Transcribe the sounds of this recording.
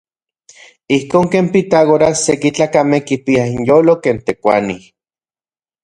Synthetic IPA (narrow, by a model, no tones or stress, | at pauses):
ihkoːŋkeːmpit̪aɣoɾasekit͡ɬaːkamehkipiainjoːlokeːnt̪ekʷa̰ni